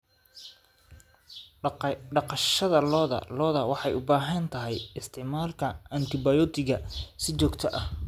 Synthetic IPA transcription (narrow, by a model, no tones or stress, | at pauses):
ɖɑqɑʃɐðɐlɔːðɐ̰lɔːðɐwɑħɑjʊbaːɦɐnt̪ʰɐɦɛjɪst̪ʰɪʕmaːlkʰɐɐnt̪ʰɪbajɔt̪ʰɪɣɐsɪt͡ʃɔːɡt̪ʰɐʔɐh